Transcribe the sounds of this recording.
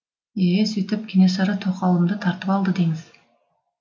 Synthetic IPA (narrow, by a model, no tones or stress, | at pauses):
esɵjt̪ɪp̚kʲʰenes̬ɑɾət̪ʰoqɑlˠəmd̪ət̪ʰɑɾt̪əpɑlˠd̪əd̪e̞ŋɪz̥